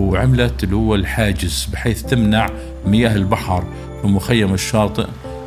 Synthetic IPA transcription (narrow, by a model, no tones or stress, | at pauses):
ʕɪmlat̪lːhʊwːalħaːd͡ʒɪzbɪħeːθt̪ɪmnaʕ | mɪjaːɦɪlbaħɑɾˤ | wɪmʊxajːamɪʃːɑːt̪ˤɨ̰ʔ